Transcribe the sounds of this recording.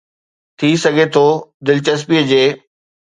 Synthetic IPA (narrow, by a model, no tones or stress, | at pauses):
t̪ʰisɐɡʱet̪ʰoːd̪ɪlɪt͡ɕɐs̬piːəd͡ʑeː